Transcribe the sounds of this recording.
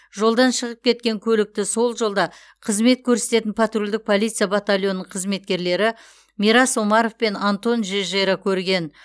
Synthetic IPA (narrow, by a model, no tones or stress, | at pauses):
ʒo̞lˠd̪ɑnʃəʁəp̚kʲʰe̞t̪̚kʲe̞ŋkʲʰɵlɪk̚t̪ɪso̞lˠʒo̞lˠd̪ɑ | qʰəzme̞t̪̚kʲʰɵɾse̞̥t̪e̞t̪ɪnpʰat̪rulʲd̪ɪk̚pʰo̞lˠijt̪sɨjabat̪alʲjo̞nːəɴqʰəzme̞t̪̚kʲe̞ɾle̞ɾɪ | mʲiɾɑsomɑɾo̞fpe̞nant̪o̞nʒeʒɑjɾɑkʲʰɵɾɡʲe̞n